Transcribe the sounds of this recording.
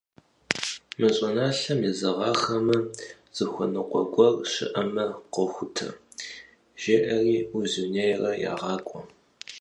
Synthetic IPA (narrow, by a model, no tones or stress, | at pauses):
mɐɕʼɔnaːɬɐmjɛzɐʁɑːxɐmɐ | z̥ɨxʷɔnɨqʷɔɡʷɔrʃɪ̰ʔɐmɐqəxʷʊtʰɐ̰ | ʒ̥eːʔɐriːuzunejrɐja̰ːʁɑːkʷʼɔ